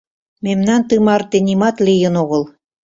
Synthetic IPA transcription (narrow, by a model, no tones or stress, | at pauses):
memnɑnt̪ɯmɑrt̪enimɑt̪lijə̆noɣɤ̆l